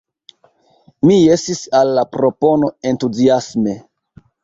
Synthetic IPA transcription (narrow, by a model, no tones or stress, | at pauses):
miesisalːapɾo̞po̞no̞e̞ntuziasme̞